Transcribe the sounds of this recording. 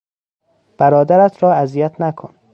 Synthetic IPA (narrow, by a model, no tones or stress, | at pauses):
b̥æɾɒːd̪æɾæt̪ʰɾɒːæzijæt̪ʰnækʰon